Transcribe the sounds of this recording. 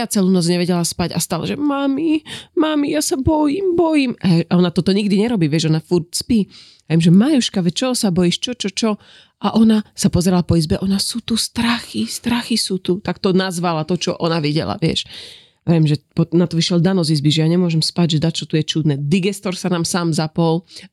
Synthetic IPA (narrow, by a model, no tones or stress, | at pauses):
jat͡sɛluːnɔt͡sɲɛʋɛɟɛlaspaɟa̰st̪ala̰ʒɛmamimamijasabɔjimbɔjimaaɔnat̪ɔt̪ɔɲiɡd̪iɲɛɾɔbiːʋɪɛʒɔnafuɾt̚spiː | vjɛmʒɛmajuʃkaʋɛt͡ʃɔsabɔjiːʃt͡ʃɔt͡ʃɔt͡ʃɔ | ʔaʔɔnasapɔzɛɾalapɔizbɛʔɔnasut̪ust̪ɾaxist̪ɾaxisut̪ut̪akt̪ɔnazʋalat̪ɔt͡ʃɔʔɔnaʋiɟɛ̰la̰ʋɪɛ̰ʃ | ʋɛmʒɛpɔnat̪ɔʋiʃɪɛld̪anɔzizbiʒɛjaɲɛmʊɔʒɛmspacɟʒɛd̪act͡ʃɔt̪ujɛt͡ʃud̪nɛd̪iɡɛst̪ɔɾsanaːmsaːmzapɔl